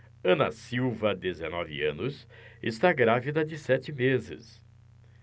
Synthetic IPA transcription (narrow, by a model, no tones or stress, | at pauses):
ɐ̃nɐ̰siwvɐd̪ezenɔvɪ̰ɐ̰̃nʊsest̪aɡɾavid̪ɐd͡ʒɪsɛt͡ʃ̪ɪmezɪ̰s